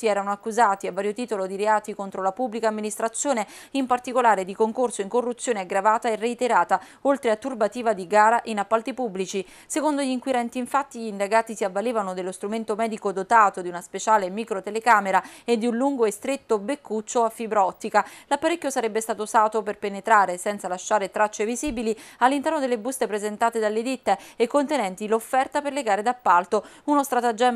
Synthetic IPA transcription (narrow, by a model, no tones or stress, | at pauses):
iɛːɾanoakːuzaːt̪iavːaːɾjot̪iːt̪olod̪iɾeaːt̪ikont̪ɾolapubːlikaːmːinist̪ɾat̪sːjoːne | impart̪ikolaːɾed̪ikoŋkorsoiŋkorːut̪sːjoːneaɡɾavaːt̪aereit̪eɾaːt̪a | olt̪ɾeat̪ːurbat̪iːvad̪iɡaːɾaʔinapːalt̪ipubːlit͡ʃi | sekond̪oʎiŋkwiɾɛnt̪iːɱfat̪ːiʎind̪aɡaːt̪isiavːaleːvanod̪elːost̪ɾument̪omɛːd̪ikod̪ot̪aːt̪od̪iunaspet͡ʃaːlemikɾot̪elekaːmeɾaed̪ːiunluŋɡoest̪ɾet̪ːobekːut͡ʃːoafːibɾɔt̪ːikalapːaɾekʲːjosaɾɛbːest̪aːt̪osaːt̪operpenet̪ɾaːɾesɛnt̪salaʃːaːɾet̪ɾat͡ʃːeviziːbilialːint̪ɛrnod̪elːebust̪epɾezent̪aːt̪ed̪alːed̪it̪ːeekːont̪enɛnt̪ilofːɛrt̪aperleɡaːɾed̪apːalt̪ounost̪ɾat̪ad͡ʒɛ